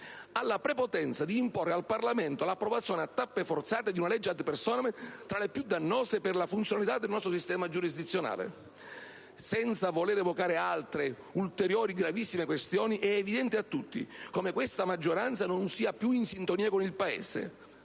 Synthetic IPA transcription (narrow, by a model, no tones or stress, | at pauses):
alːapɾepot̪ɛnt̪sad̪iːmporːealparlament̪olapːɾɔvat̪sːjɔːneat̪ːapːefɔrt̪saːt̪ed̪iunalɛd͡ʒːeat̪persɔːnt̪ɾalepjud̪ːanːɔːsepɪrlafunt̪sjonalit̪ad̪ːelnɔst̪ɾosist̪ɛːmad͡ʒuɾizd̪it̪sːjona̰ːlḛ | sɛnt̪savolɛːɾɛvokaːɾealt̪ɾe | ult̪eɾjɔːɾiɡɾavisːimekwest̪jɔːniʔɛːvid̪ɛnt̪ɪat̪ːut̪ːḭkomekwest̪amad͡ʒːoɾant̪sanonsiːapːjuinsint̪oniːakonilpaḛːsḛ